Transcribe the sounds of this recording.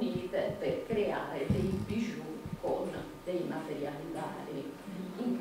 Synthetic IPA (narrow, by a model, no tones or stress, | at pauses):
nit̪perkɾeaːɾed̪ejbiʒukon | d̪ejmat̪eɾjalid̪a̰ːɾiiŋ